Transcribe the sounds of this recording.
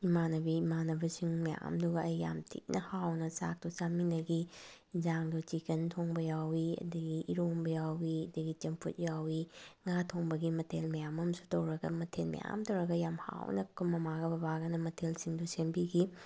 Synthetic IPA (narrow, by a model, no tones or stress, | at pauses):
imanɐbiimanɐbisiŋmɐja̰mduɡɐɐjːa̰mtʰḭk̚nʔɐhawnɐsa̰k̚tɔsaminɐɡi | d͡ʒaŋdot͡ʃikɐntʰoŋbɐjawiɐ̰dɐɡiʔiɾombɐjawiɐdɐɡit͡ʃɐmpʰṵt̚jawiŋatʰoŋbɐɡimɐtʰelmɐjamɐmsu̥tɐwɾɐɡɐmɐtʰelmɐ̰ja̰mtɐwɾɐɡɐjamha̰wnɐkʰumːɐmaɡɐbɐbaɡɐnɐmɐtʰelsiŋdusembiɡi